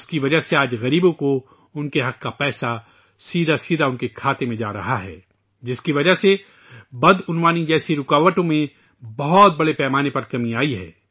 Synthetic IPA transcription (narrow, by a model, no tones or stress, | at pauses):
skiʋɐd͡ʒəɦseaːd͡ʒɣɐɾiːbõko | ʊnkeɦɐq̚kːapɛːsa | siːd̪ʱasiːd̪ʱaʊnkekʰaːt̪emẽd͡ʒa̰ːɾɐ̰ɦaɦɛ̰ː | d͡ʒɪskiʋɐd͡ʒəɦse | bɐd̪ʊnʋaːnid͡ʒɛːsiɾʊkaːʋəʈõmẽ | bɐɦɔt̪̚bɐɽepɛːmaːnepɐɾkɐmĩaːiɦɛ̰ː